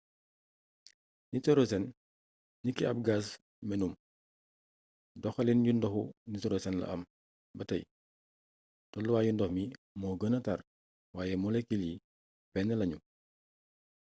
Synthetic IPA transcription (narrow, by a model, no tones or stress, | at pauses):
nitɔɾosɛn | nikːiɐp̚ɡaːs | mɛnum | dɔxɐlinjundɔxunitɔɾosɛnlɐ̰ʔɐ̰m | bɐtɐ̰j | tɔlːuwaːjundɔxmi | mɔːɡənɐtar | waːjɛmɔlɛkːilji | pɛnɛlɐɲu